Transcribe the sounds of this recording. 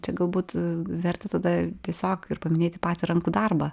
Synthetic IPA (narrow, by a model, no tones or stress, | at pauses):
t͡ʃʲɛɡɐlˠbuːt̪ʋʲɛrʲt̪ʲɛt̪ɐd̪ɐt̪ʲiɛsʲoːkɪrpɐmʲɪnʲeːt̪ʲɪpɑːt̪ʲiɾɐŋkuːd̪ɐrbɐ